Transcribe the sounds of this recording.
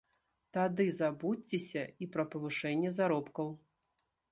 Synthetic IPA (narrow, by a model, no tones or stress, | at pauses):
t̪ad̪ɨzabut͡st͡sʲːɛsʲɐipɾɐpɐvɨʂɛnʲːɛzaɾɔpkɐw